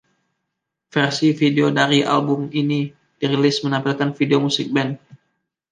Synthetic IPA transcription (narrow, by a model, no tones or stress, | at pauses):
fɛrsifideodaɾiʔa̰lbʊmini | d̥iɾilɪsmənampilkanfideomusɪk̚bɛn